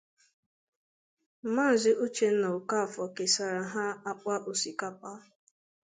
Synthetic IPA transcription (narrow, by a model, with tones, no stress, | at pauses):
m̩˨˦ma˦˨zɪ˦ʔo˦t͡ʃe˨n̩˦na˨ʊ˨ka˦˨fɔ˨ke˨sa˨ɾa˨ɦa˦a˦k͡pʷa˦ʔo˨si˨ka˦pa˦